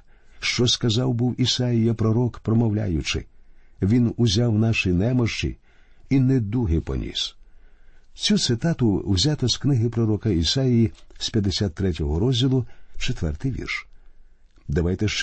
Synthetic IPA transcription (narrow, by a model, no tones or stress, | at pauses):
ʃt͡ʃɔskɐzɑwbuwisɑjijɐpɾɔɾɔkpɾɔmɔwlʲa̰jʊt͡ʃɪ̰ | ʋʲinʊzʲawnɑʃinɛmɔʃt͡ʃḭ | ined̪uɦɪpɔ̰nʲḭs | t͡sʲut̪sɪt̪ɑt̪ʊwzʲat̪ɔsknɪɦɪpɾɔɾɔkɐisajijispʲjɐd̪ːesʲat̪ːɾɛtʲɔɦɔɾɔzʲdʲilˠʊt͡ʃet̪ʋɛ̰rt̪ɪjʋʲḭrʃ | d̪ɐʋajt̪ɛʃt͡ʃ